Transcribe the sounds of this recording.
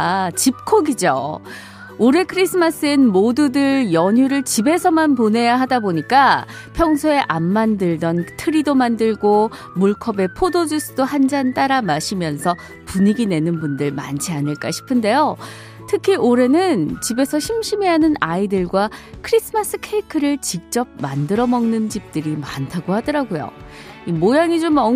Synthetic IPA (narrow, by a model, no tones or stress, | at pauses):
t͡ɕip̚kʰoɡid͡ʑo̰ | oɾe̞kʰɯɾis͈ʰɯmas͈ɯenmodudɯɭjʌɲuɾɯɭt͡ɕibe̞sʰʌmanpone̞jaɦadaboɲik͈a | pʰjʌŋsʰoe̞ʔamːandɯɭdʌntʰɯɾidomandɯɭɡo | muɭkʰʌbe̞pʰodod͡ʑus͈ʰɯdoɦand͡ʑant͈aɾamaɕʰimjʌnsʰʌ | puɲiɡine̞nɯnbundɯɭma̰nt͡ɕʰianɯɭk͈aɕʰi̥pʰɯnde̞jo | tʰɯkʰiʔoɾe̞nɯnt͡ɕibe̞sʰʌɕʰimɕʰime̞ɦanɯnaidɯɭɡwakʰɯɾis͈ʰɯmas͈ɯkʰeikʰɯɾɯɭt͡ɕik̚t͡ɕ͈ʌp̚mandɯɾʌmʌŋnɯnt͡ɕip̚t͈ɯɾimantʰaɡohadʌɾaɡojo̰imojaŋid͡ʑomʌ